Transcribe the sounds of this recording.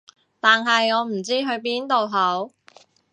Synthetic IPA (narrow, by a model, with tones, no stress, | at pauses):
t̪aː˨nɦɐ˨jŋɔː˨˧m̩˨˩t͡siː˥ɦɵ˧ɥp̬iː˥nt̪o˨wɦɐ˨˥w